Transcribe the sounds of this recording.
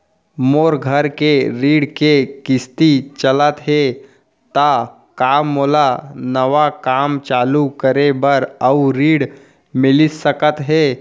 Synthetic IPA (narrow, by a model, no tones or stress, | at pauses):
moːɾɡʱəɾkeɾiːɽkekɪst̪it͡ʃələt̪ɦɛ | t̪a | kaːmːoːlanəʋakaːmt͡ʃaːlukəɾebəɾəɾiːɽ | mɪlɪsəkət̪ɦɛː